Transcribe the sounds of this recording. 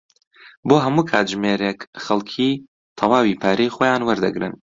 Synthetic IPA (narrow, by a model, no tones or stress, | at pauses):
boːɦɐmuːkʰaːt̪ʒmeɾekxɐlˠkʰiː | t̪ʰɐwaːwipʰaːɾejxoːjaːnwɐɾd̪ɐɡɾɨ̰n